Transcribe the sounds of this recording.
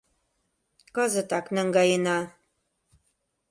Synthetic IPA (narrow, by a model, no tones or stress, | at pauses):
kɑzɤ̆t̪ɑknæŋɡɑjɤnɑ